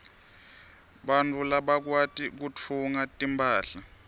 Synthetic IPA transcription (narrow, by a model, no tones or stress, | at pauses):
ɓantʼulaɓak̬watʼik̬ut͡fʰuŋatʼimpʼaːɬa